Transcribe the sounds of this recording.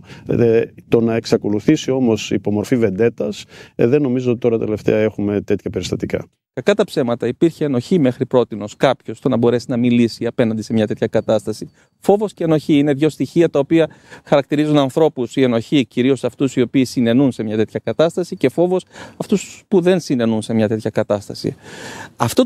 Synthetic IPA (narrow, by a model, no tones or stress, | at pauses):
t̪o̞nɐeksɐko̞luθisio̞mo̞sḭːpo̞mo̞ɾfive̞nd̪e̞t̪ɐsðenːo̞mizo̞ot̪i̥t̪o̞ɾɐt̪ele̞ft̪ḛɐe̞xume̞t̪e̞t̪çɐpe̞ɾist̪ɐt̪ikɐ̰ | kɐkɐt̪ɐpse̞mɐt̪ɐipiɾçeːno̞çime̞xɾipɾo̞t̪ino̞skɐpço̞st̪o̞nɐbo̞ɾe̞sinɐmilisiɐpe̞nɐnd̪ise̞mɲɐt̪e̞t̪çɐkɐt̪ɐst̪ɐsi | fo̞vo̞sceːno̞çiine̞ðʝo̞st̪içiɐt̪ɐopiɐxɐɾɐk̚t̪iɾizunɐnθɾo̞pusie̞no̞çiciɾio̞sɐft̪usio̞piːsine̞nunse̞mɲɐt̪e̞t̪çɐkɐt̪ɐst̪ɐsice̞fo̞vo̞sɐft̪uspuðensine̞nunse̞mɲɐt̪e̞t̪çɐkɐt̪ɐst̪ɐsḭɐft̪o